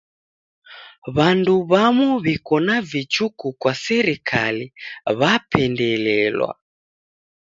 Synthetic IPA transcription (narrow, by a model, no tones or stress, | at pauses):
βanduβamuβikɔnavit͡ʃukukwasɛɾikʰaliβapʰɛndɛlɛlwa̰